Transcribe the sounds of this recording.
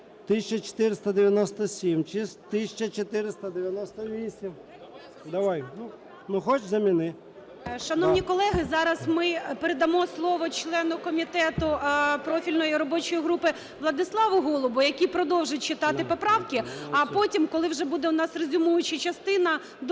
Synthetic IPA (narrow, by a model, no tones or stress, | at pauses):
t̪ɪsʲt͡ʃɐt͡ʃe̥t̪ɪɾɪst̪ɐd̪eʋʲjɐnɔst̪ɔsʲimt͡ʃɪst̪ɪsʲt͡ʃɐt͡ʃet̪ɪɾɪst̪ɐd̪eʋʲjɐnɔst̪ɔʋʲisʲim | d̪ɐʋajnu | nʊxɔt͡ʃzɐmʲinɪ | ʃɐnɔwnʲikɔlˠɛɦɪzɑɾɐsmɪpeɾed̪ɐmɔslˠɔʋɔt͡ʃlˠɛnʊkɔmʲit̪ɛt̪ʊpɾɔfʲilʲnɔjiɾɔbɔt͡ʃɔjiɦɾupɪ | ʋlˠɐd̪ɪslˠɑʋʊɦɔlˠɔbʊjɐkʲipɾɔd̪ɔwʒɪtʲt͡ʃɪt̪ɑt̪ɪpɔpɾɑwkʲɪɐpɔtʲimkɔlˠɪwʒɛbud̪ɛʊnɑsrezʲʊmujʊt͡ʃɪt͡ʃɐst̪ɪnɐ | d̪